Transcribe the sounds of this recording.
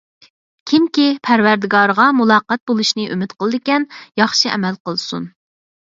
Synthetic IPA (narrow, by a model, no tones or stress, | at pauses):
kʲʰimkʲipʰæɾwæɾd̪ɪɡɑɾʁɑmulˠɑːqɑt̪̚bolˠuʃnɨʔymɪt̪qəlˠɨd̪ɪkʲɛnjɑχʃiɛ̰mɛlqəlˠsṵn